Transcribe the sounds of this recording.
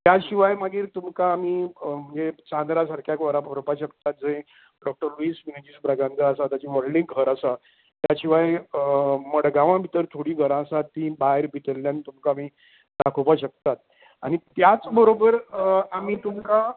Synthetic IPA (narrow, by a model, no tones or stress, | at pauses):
t̪jaɕiʋajmaɡiːɾt̪umkaːmiːm̤əɳd͡zet͡ɕãnd̪ɾasaɾkʰjakʋəɾapəɾpaɕək̚t̪at̪̚d͡zẽ | ɖɔk̚ʈəɾluiːsʋinid͡ʑisbɾaɡãnd͡zaəsat̪jat͡ɕiʋɔlɖĩŋɡɡʱəɾəsa | t̪jaɕiʋaj | məɽɡaʋãbʱit̪əɾt̪ʰoɽiːɡʱəɾãsat̪ːĩbaeɾbʱit̪əlːjanit̪umkaːmi | d̪akʰopaɕək̚t̪at̪̚ | a̰ɽ̃it̪jat͡sbəɾobəɾamiːt̪umka